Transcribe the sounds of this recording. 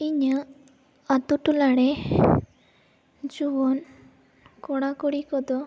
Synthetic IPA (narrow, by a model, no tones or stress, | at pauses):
iɲə | at̪uʈulaɽe | d͡ʒuʋɔn | kɔɽakɔɽikɔd̪ɔ